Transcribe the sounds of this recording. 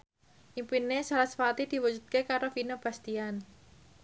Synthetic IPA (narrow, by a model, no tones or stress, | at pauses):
ʔimpinːesalasfat̪id̪̥i̤wu̥d͡ʒ̥ṳd̪̚kekaɾofinob̥a̤st̪ian